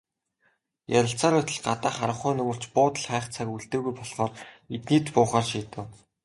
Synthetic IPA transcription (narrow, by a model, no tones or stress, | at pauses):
jaɾʲə̆ɬt͡saːɾʊːt̪ʰə̆ɮɢat̪aːχaɾə̆χʊːnɵmɵ̆r̥t͡ɕpʊːt̪ə̆ɮχæːχt͡sʰakuɮt̪ĕːɣujpɔɮχɔːret̪niːt̪pʊːχaːrʃiːt̪ɘ̆w